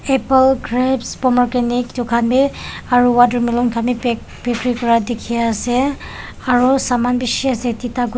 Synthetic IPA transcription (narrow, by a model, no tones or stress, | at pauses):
ɛplɡɹɛbspɔmɔɹkeniktukʰanbiaɹuwadɔɹmilɔnkʰami | pekɹikɔɹadekʰiasɛ | aɹusamanbisiasɛtitaɡ